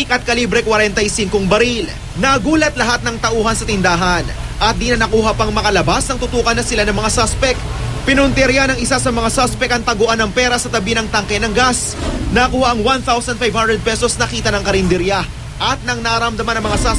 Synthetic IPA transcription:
kʔɐt̪̚kɐlibɾɛkwɐɾɛnt̪ɐjsiŋkoŋbɐɾil | nɐɡuːlɐt̪lɐɦat̪̚nɐŋt̪ɐʔuːɦɐnsɐt̪ɪnd̪aːɦɐnʔɐt̪̚d̪inɐnɐkuːɦɐpɐŋmɐkɐlɐbasnɐŋt̪ʊt̪uːkɐnːɐsɪlanɐŋmɐŋasaspɛk̪̚ | pɪnʊnt̪ɛɾjanɐŋɪsasɐmɐŋasospɛkɐŋt̪ɐɡoʔanɐŋpɛːɾɐsɐt̪ɐbinɐŋt̪ɐŋkɐjnɐŋɡas | nɐkuːhaʔɐŋwanθawsɐnd̪fajvhand̪ɾɛd̪̚pɛsosnɐkiːt̪ɐnɐŋkɐɾɪnd̪ɪɾja | ʔɐt̪̚nɐŋnɐɾɐmd̪ɐmanɐŋmɐŋasa

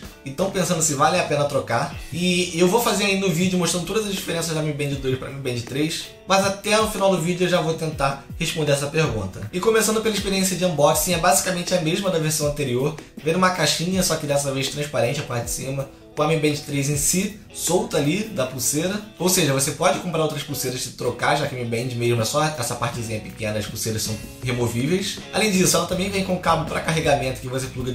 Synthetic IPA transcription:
ɪ̃t̪ɐ̃w̃pẽsɐ̃nd̪ʊsɪvalẽapẽnɐt̪ɾokaɪewvowfazeɾɐinʊvid͡ʒʊmoʃt̪ɾɐ̃nd̪ʊt̪od̪ɐzɐzd͡ʒifeɾẽsɐzd̪amĩbẽd͡ʒɪd̪oɾʃpɾɐ̰mĩbẽd͡ʒɪt̪ɾejʃ | mɐzat̪ɛʊfinawd̪ʊvid͡ʒʊewʒavowt̪ẽnt̪a | heʃpõnd̪eɾɛsɐpehɡṵ̃nt̪ɐɪkõmesɐ̃nd̪ʊpelɐiʃpeɾiẽs̬jɐd͡ʒɪɐ̃bɔd͡ʒsĩɛbazikɐmẽnt͡ʃɪɐmeʒmɐd̪ɐveɾsɐ̃w̃ɐ̃nt̪eɾioɾvẽd̪ũmɐkaʃĩɲɐsɔkɪd̪ɛs̬ɐveʃt̪ɾɐ̃ʃpaɾẽnt͡ʃɪɐpaɾt͡ʃɪ̥sĩmɐ | kõɐmẽbẽd͡ʒɪt̪ɾejzẽj̃si | sowt̪ɐalid̪ɐpuseɾɐowseʒɐvosepɔd͡ʒɪkõmpɾaɾowt̪ɾɐʃpuseɾɐʃɪt̪ɾokaʒakɪamĩbẽd͡ʒɪmeʒmʊɛsɔɛsɐpaht͡ʃɪt͡ʃɪzĩɲɐpɪkẽnɐɐʃpuseɾɐʃsɐ̃w̃ | hemovivejsalẽj̃d͡ʒisʊɛlɐt̪ɐ̃mbẽj̃vẽj̃kõʊkabʊpɾɐkaɦeɡamẽnt̪ʊ̥kɪvosepluɡɐ

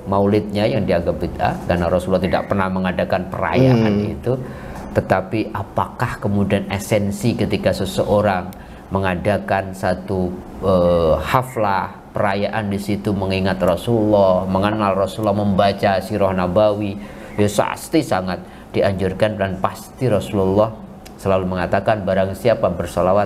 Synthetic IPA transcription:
maulɪt̪̚ɲajaŋdiaɡabid̪a̰kanaɾɔsulːɔht̪ida̰ʔpərnahməŋadakanpəra̰jaʔanḭt̪ut̪ət̪apiʔapakahkəmudianḛsɛnsikət̪ikasəsəʔoɾaŋ | məŋadakansat̪uəhaflah | pəɾajaʔandisit̪uməŋiŋat̪rɔsululːɔhməŋənalrɔsuulːɔhməmbat͡ʃasiɾɔhnabawi | jasa̰st̪isaŋat̪̚ | d̥iʔaɲd͡ʒʊrkandanpast̪iɾɔsululːɔh | səlaluməŋat̪akanbaɾaŋsiapabərsɔlawat̪̚

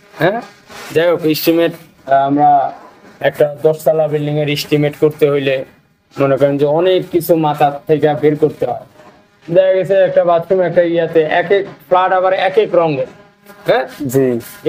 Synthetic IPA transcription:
ɦɛ̃ | d͡ʑajbokisʈimeʈ | amɾa | ɛk̚ʈad̪ɔʃt̪alabilɖiŋeɾisʈimeʈkoɾt̪eɦojle | monekɔɾend͡ʑeɔnekːit͡ɕʰumat̪ʰat̪ʰːekabeɾkoɾt̪eɦɔbe | d̪ɛkaɡɛt͡ɕʰeɛk̚ʈabat̪ːʃomɛk̚ʈaiat̪eʔɛkekflaʈaβaɾɛkekɾɔŋɡel | ɦɛ̃d͡ʑi

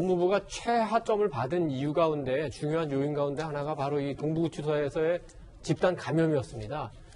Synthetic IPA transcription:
oŋmubuɡat͡ɕʰwe̞ɦat͡ɕ͈ʌmɯɭpadɯnijuɡaunde̞t͡ɕuŋjoɦanjoinɡaunde̞hanaɡapaɾoitoŋbuut͡ɕʰusʰʌesʰʌe̞ | t͡ɕip̚t͈ankamjʌmiʌs͈ɯmɲida

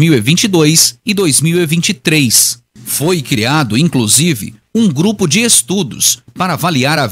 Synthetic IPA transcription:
miwevĩnt͡ʃid̪ojsɪd̪ojzmiwevĩnt͡ʃit̪ɾejs | fojkɾiad̪ʊĩŋkluzivɪ̰ũŋɡɾupʊd͡ʒɪest̪ud̪ʊ̰spaɾɐavaliaɾa

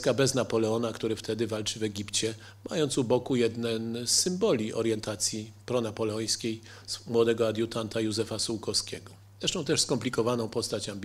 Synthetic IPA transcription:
kabɛznapɔlɛɔnakt̪uɾɘft̪ʰɛd̪ɘvalt͡ʂɘvɛɡʲipt͡ɕɛ | mʔa̰jɔnt̪subɔkujɛd̪nɛnsːɘmbɔlʲiʔɔ̰ɾjɛnt̪at̪sʲjipɾɔnapɔlɛɔj̃skʲej | smwɔd̪ɛɡɔad̪jut̪ant̪ajuzɛfasuwkɔskʲɛɡɔ | ɾɛʃʂt̪ɔ̃w̃t̪ɛʂskɔmplʲikɔvanɔ̃w̃pɔst̪at͡ɕambʲ

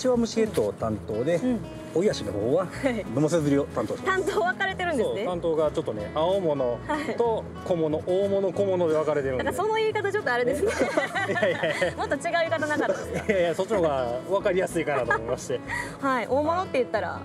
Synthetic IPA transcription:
t͡ɕiβamɯ̟ɕiet̪o̞ːt̪ãnt̪o̞ːd̪e̞ | oijaɕino̰ho̰ːβaainomos̬ezɨɾijot̪ãnt̪o̥ːt̪ãnt̪oːβakaɾe̞t̪e̞ɾɯ̟nd̪seoeãnt̪o̞ːɡat͡ɕo̞t̪ːone̞̰aomo̞no̞hait̪o | komonoʔoːmono̞ko̞mono̞d̪e̞β̞akaɾe̞t̪eɾɯnd̪akaso̞noiːkat̪at͡ɕo̞t̪ːoaɾed̪esɨneaamo̞t̪ːot͡ɕiɡaɯikat̪anakat̪ːsot͡ɕːioɡaβakaɾʲijasɨikanat̪omoimaɕi̥t̪e | haiʔoːmo̞no̞t̪ːe̞jɯ̟t̪ːaɾa̰

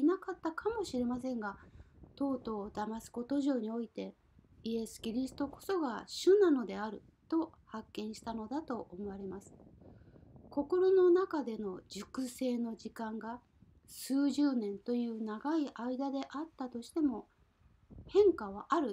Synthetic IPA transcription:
inakat̪ːakʰamo̞ɕiɾe̞mas̬ẽ̞ŋɡat̪o̞ːt̪o̞ːd̪amasɨ̥ko̞t̪o̞ʑo̞ːɲ̟io̞it̪e̞ | ie̞sɨ̥kʲiɾʲisɨ̥t̪o̞ko̞̥so̞ɡaɕɯnano̞d̪e̞aɾɯ̟ | t̪o̞hakːẽ̞ɰ̃ɕi̥t̪ano̞d̪at̪o̞ʔomo̞βaɾe̞masɨ̥ | ko̞ko̞ɾo̞no̞nakad̪e̞no̞d͡ʑɨkɯ̟se̞ːno̞d͡ʑikãŋɡa | sɨːʑɨːnẽ̞nt̪o̞jɯ̟ːnaɡaiʔaid̪ad̪e̞ʔat̪ːat̪o̞ɕi̥t̪e̞mo̞ | hẽ̞ŋkaβ̞aʔaɾɯ̟

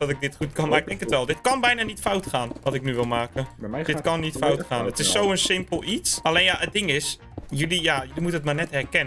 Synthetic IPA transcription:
d̥ɔtɪɡ̚dɪtχutkɑnmaɪɡ̚dɛŋkətʋɛlˠdɪtkɑnbɛjnaːnitfawtχaːnʋɔtɪk̚nyʋɪlˠmaːkəd̥ɪtkɑnːitfawtχaːnətɪsːowənsɪmpəlˠitsalejnjaʔət̚dɪŋɪs | jølijajølimutənətmanɛthɛrkɛnə

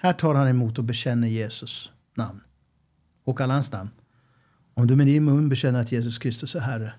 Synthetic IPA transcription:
hæːʈʰɑːɾhanɛmuːt̪ɔbɛɕɛnːəjeːsɵs | na̰mn | ɔkalːahansna̰mn | ɔmd̪ɵmɛnɪnmɵnːbɛɕɛnːəɾat̪jeːs̬ɵskʰɾɪst̪ɵsæɦæɾə

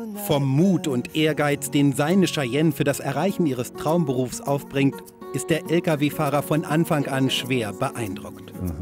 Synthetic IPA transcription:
fɔmːuːtʊntʔeːɐɡaɪt͡sd̥eːnzaɪnəʃɐjɛnfyːɐdasɛɐʁaɪçn̩iːʁ̞əstʁ̥aʊmbəʁuːfsʔaʊfb̥ʁɪŋt | ʔɪstd̥eːɐʔɛlkaveːfaːʁɐfɔnʔanfaŋʔanʃv̥eːɐbəʔaɪndʁʊkt

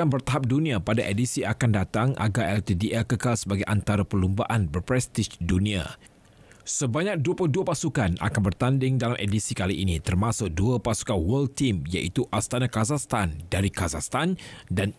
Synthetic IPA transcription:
anbərt̪aɦap̚dunĩapadaʔedisiʔakandat̪aŋʔa̰ɡarʔɛlt̪idiʔɛkəkalsəbaɡajʔant̪aɾapəlumbaʔanbərpɾɛst̪ɪʃdunĩa̰ | səbaɲak̚duaplʊduapasukanʔa̰kanbərt̪andɪŋdalamʔedisikaliʔinit̪ərmãsʊk̚duapasu̥kanwəlt̪imja̰ʔit̪uʔast̪anakazahst̪andaɾikazast̪andan

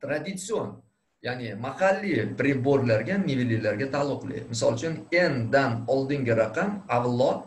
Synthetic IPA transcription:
t̪ɾad̪ɪt̪sio̞n | janɪmahɑlːipɾeboɾlaɾɡʲanivililaɾɡʲat̪ʰalˠːʊqlˠɪ̰mɪsɒ̰lˠt͡ʃʰʊne̞nd̪anɒlˠd̪ɪŋɡʲɪɾɑqɑmavlˠɒ

